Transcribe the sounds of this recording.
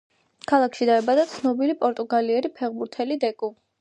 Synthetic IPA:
kʰalˠakʰʃid̪aɛbad̪at̪sʰnɔbilipʼɔɾt̪ʼuɡaliɛɾipʰɛʁbuɾt̪ʰɛlid̪ɛkʼu

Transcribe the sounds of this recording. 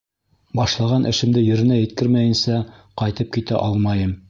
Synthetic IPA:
bɑʃlˠɑʁɑnʔɘ̆ʃɘ̆md̪ɘjɵ̆ɾɘ̆næjɘ̆t̪̚kɘɾmæjɘ̆nsæ | qɑjt̪ɤp̚kit̪æ̰ʔɑlˠmɑjɤm

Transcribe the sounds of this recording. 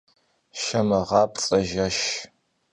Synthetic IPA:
ʃɐmɐʁɑːp̚t͡sʼɐʒɐʃ

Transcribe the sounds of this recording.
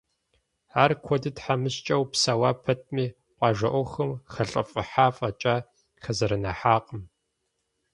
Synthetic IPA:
aːrkʷʰɔdɨtħamɨɕt͡ʃʼɐwpsawaːpʰɐt̚ʰmiː | qʷʼɑːʒɐʔʷɔxɐmxɐɬʼɐfʼɨħaːfʼɐt͡ʃʼaː | xɐzɐɾɐnɐħaːqʼəm

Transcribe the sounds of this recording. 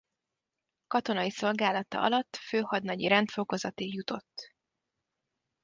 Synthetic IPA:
kɒt̪o̞nɒiso̞lɡaːlɒt̪ɒ̰ʔɒ̰lɒt̪ːføːhɒd̪nɒɟiɾɛnt̪fo̞ko̞zɒt̪ijut̪o̞t̪ː

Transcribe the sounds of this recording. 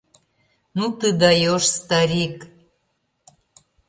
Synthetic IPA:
nut̪ɨd̪ɑjoʃst̪ɑɾik

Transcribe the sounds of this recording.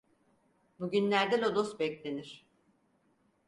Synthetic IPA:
buɟynlʲæɾd̪ɛlo̞d̪o̞sbɛclʲe̞niɾ̝̥

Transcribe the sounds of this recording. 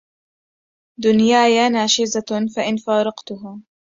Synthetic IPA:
d̪ʊnjaːjaːnaːʃɪzafaʔɪnfaːɾˤɑqt̪ʊɦʊ

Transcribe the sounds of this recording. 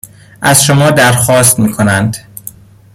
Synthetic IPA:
ʔæzʃomɒːd̪æɾxɒːst̪miːkʰonænd̪

